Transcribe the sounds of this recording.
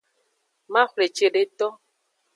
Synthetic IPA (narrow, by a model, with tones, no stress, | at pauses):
mã˦xʷle˨t͡ʃe˨ɖe˨t̪ɔ˦